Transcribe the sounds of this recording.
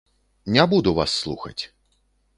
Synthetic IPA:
nʲabud̪uva̰sːlˠṵxɐ̰t͡sʲ

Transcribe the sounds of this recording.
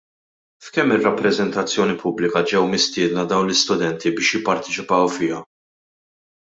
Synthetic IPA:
fkɛmːɪrːɐpːɾɛzɛnt̪ɐt͡sːjɔːnipʊblɪkɐd͡ʒɛwmɪst̪ɪːd̪nɐd̪ɐwnlɪst̪ʊd̪ɛnt̪ibɪːʃjɪpːɐɾt̪ɛt͡ʃɪpɐwfɪjɐ

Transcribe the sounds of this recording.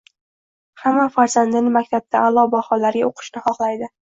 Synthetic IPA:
hamːafaɾzand̪ɪŋmakʲt̪ʰab̚t̪ʰaʔːlˠɒbahɒlaɾɡʲaoqʰɨ̥ʃnɪχɒχlˠajd̪ɪ

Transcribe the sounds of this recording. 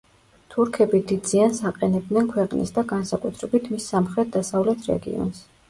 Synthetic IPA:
t̪ʰuɾkʰɛbid̪id̪z̥iansaqʼɛnɛb̚d̪nɛnkʰwɛqʼnḭsd̪aɡansakʼut̪ʰɾɛbit̪ʰmisːamχɾɛt̪̚d̪asavlɛt̪ʰɾɛ̰ɡḭɔ̰ns

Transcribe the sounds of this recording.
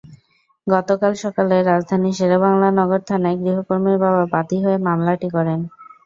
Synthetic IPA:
ɡɔt̪okalʃɔkaleɾːad͡ʑd̪ʱaniʃeɾabaŋlaɾnɔɡoɾt̪ʰanaeɡɾiɦopoɾmiɾbʱababat̪iɦoemamlaʈikɔɾen

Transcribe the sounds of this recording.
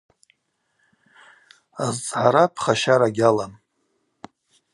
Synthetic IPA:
azt͡sʼʕaɾapʰχaʃaɾaɡʲalam

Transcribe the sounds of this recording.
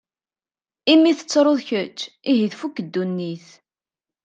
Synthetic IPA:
imːiθə̥t͡sːɾˤoðˤçət͡ʃː | iɦiðfukːəd̪ːunːiθ

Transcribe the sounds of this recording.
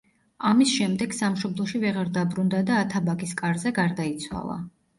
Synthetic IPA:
amisʃɛmd̪ɛɡ̥samʃɔblˠɔʃivɛʁaɾd̪abɾund̪ad̪aːt̪ʰabaɡiskʼaɾzɛɡaɾd̪ait̪sʰwa̰lˠa̰

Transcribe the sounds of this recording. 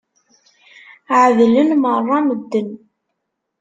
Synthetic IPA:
ʕðlənmərˤːɑməd̪ːən

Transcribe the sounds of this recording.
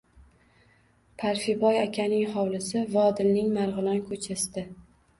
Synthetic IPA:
pʰaɾfɪbɒjakʲʰanɪŋhɒwlˠɪsɪvɒd̪ɪlnɪŋmaɾʁɨlankʰɵt͡ʃʰast̪ɪ

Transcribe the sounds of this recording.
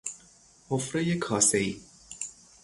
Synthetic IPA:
hofɾejekʰɒːseiː

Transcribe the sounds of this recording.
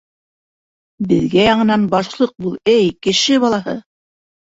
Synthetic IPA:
bɘ̆ðɡæjɑɴɤ̆nɑnbɑʃlˠɤq̚bulˠɘjkɘ̆ʃɘβɑlˠɑɦɤ̰

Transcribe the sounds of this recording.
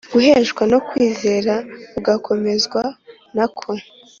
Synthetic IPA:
ɡ̥uɦeːʒɡwano̞kwiːze̞ːɾauɡakʰo̞me̞zɡwa | nakʰo

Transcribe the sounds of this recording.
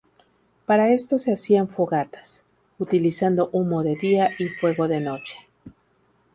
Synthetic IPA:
paɾae̞st̪o̞se̞asiaɱfoɣat̪ḁs | ut̪ilisand̪o̞ʔumo̞ðe̞ðiaifwe̞ɣo̞ðe̞no̞t͡ʃe̥

